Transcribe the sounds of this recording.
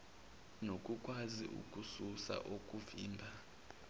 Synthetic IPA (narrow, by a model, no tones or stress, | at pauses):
nokʼukʼwazḭʔṵkʼususa̰ʔokʼuviːmbʱa